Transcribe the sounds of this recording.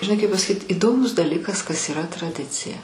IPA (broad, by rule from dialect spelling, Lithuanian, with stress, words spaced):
ʒʲɪˈnɐɪ kɐɪp pɐsɐˈkʲiːt ɪˈdoːmʊs dɐˈlʲɪkɐs kɐs iːˈrɐ trɐˈdʲɪt͡sʲɪjɛ